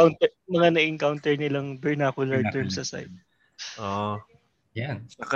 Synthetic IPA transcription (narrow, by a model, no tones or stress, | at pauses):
awnt̪ɛmɐŋanɐʔɪŋkawnt̪ɛɹnɪlɐŋbɛɹnaːkʊlɐɹ̚t̪ɛɹmsɐsa̰jt̪̚ | ʔo | jansɐkɐ